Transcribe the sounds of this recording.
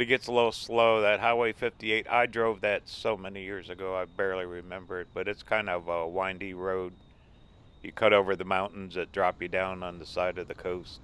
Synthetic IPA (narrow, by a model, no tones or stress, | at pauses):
ɨɡ̥ɛtsəlɪɾl̩ˠsloʊðɨt̚ɦaɪweɪfɪftieɪɾa̰ɪdɹoʊvðɨtsoʊmɛnijɪɹzɨɡoʊaɪbɛɹlˠiɹɪmɛ̃mbə˞ɨt̚b̥ʌɾɨtskʰãɪ̃ndʌvʌwãɪ̃ndiɹoʊd̚ | jɨkʰʌɾoʊvə˞ðɨmãʊ̃nʔn̩zðɨt̚d̥ɹɑpjɨdãʊ̃nə̃nðɨsaɪɾʌvðɨkʰoʊst̚